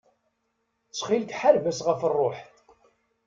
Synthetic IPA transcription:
t͡sːχilkħaɾvæsʁəfərˤːoħθ

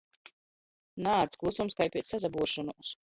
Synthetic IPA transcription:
naːɾt̪klˠusumskajpʲiɛsːazabuɔʃɔnuɔs

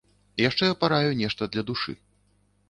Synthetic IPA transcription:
jaʂt͡ʂɛjapaɾajunʲɛʂt̪ɐd̪lʲɐd̪uʂɨ̰

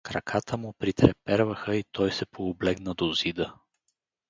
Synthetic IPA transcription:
kɾɐkʰat̪ʰəmʊpɾit̪ɾɛpɛɾvəxəit̪ɔjsɛpʰoːblɛɡnəd̪ozid̪ə

